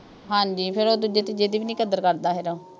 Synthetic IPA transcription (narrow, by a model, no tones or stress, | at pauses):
ɦãːɲd͡ʒiːpʰɪɾoːd̪uːd͡ʒeːt̪id͡ʒeːd̪iːʋiːnĩːkəd̪əɾkəɾd̪aːɦeɾoː